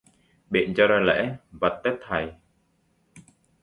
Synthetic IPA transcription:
ɓḭ˧˨ənt͡ɕɔ˧ɾa˧lɛ̰˧˥və˨˩t̪̚t̪ɛ˦˥t̚t̪ʰːa˨˩j

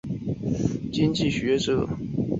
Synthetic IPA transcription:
t͡ɕi˥ŋt͡ɕi˥˩ɕɥɛ˧˥ʈ͡ʂɤ˨˩˦

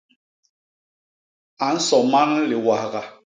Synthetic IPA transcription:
a˨n̩˦sɔ˨ma˦nli˨wa˨hɣa˨

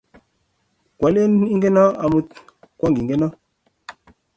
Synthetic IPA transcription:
kwa˨le˦ni˦ŋɡe˦na˦a˨mu˦t | kwa˦ŋɡi˨ŋɡe˦na˦

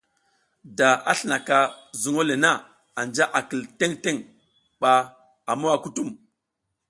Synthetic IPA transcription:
da˨a˦ɬə˨na˨ka˨zu˨ŋo˦le˨na˦˨ | a˨nd͡ʒa˦ʔa˨kə˨lte˦ŋte˦ŋ | ɓa˨ | a˨mo˦wa˨ku˦tu˦˨m

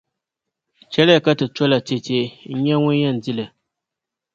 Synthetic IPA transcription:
t͡ʃɛ˦lɪ˦a˨ka˦tɨ˨tɔ˦la˨te˨teː˦ɲɛ˦ŋʊ˦jɛ˦n˨di˦la˨

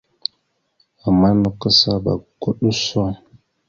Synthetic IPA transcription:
a˨ma˦nə˨kə˦sa˦ba̰˨ko˦ɗə˦sɔ˦

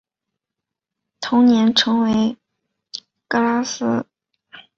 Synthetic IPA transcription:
t̪ʰʊ˧˥ŋnjɛ˧˥nʈ͡ʂʰɤ˧˥ŋwe˧˥ɪ | kɤ˥la˥s̩˥

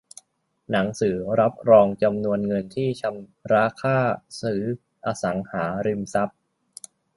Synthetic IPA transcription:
na˩˦ŋsɯː˩˦ɾa˦˥p̚ɾɔː˧ŋt͡ɕa˧mnu˧ənŋɤ˧nt̪ʰiː˥˩t͡ɕʰa˧mɾaː˦˥kʰaː˥˩sɯː˩˦˥ | ʔaː˧sa˩˦ŋhaː˩˦ɾi˧msa˦˥p̚

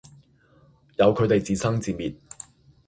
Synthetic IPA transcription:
jɐ˨˧wkʰɵ˨˧ɥt̪e˨jt͡siː˨˩sɐ˥ŋt͡siː˨miː˨t̚

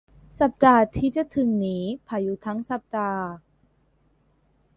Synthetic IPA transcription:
sa˨˩p̚d̪aː˧˩t̪ʰiː˥˩t͡ɕa˨˩t̪ʰɯ˨˩ŋniː˦˥pʰaː˧˩juː˧˩t̪ʰa˦˥ŋsa˨˩p̚d̪aː˧

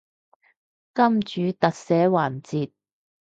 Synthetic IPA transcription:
kɐ˥mt͡ʃyː˨˥t̪ɐ˨k̚sɛː˨˥waː˨˩nt͡siː˨t̚

